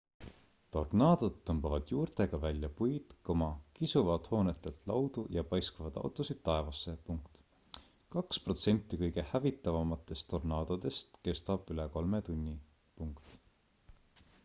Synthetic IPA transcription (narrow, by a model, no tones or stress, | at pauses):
t̪o̞rnɑːd̪̥o̞d̪̥ːɤmb̥ɑvɑd̪̥juːrt̪e̞ɡ̥ɑvælʲjɑpujt̪komɑkisuvɑd̪̥ho̞ːnet̪ːˑelt̪lɑwd̪̥ujɑpɑjskɑvɑd̪̥ɑ̰wt̪ˑusid̪̥̚t̪ːɑe̞vɑsːe̞puŋkt̪ | kɑkspro̞t̪se̞nʲt̪ˑːikɤjɡ̥e̞hævit̪ːˑɑvɑmɑt̪ːˑe̞st̪ːo̞rnɑːd̪̥od̪̥e̞st̪ke̞st̪ɑb̥yleko̞lmet̪unʲːi | puŋkt̪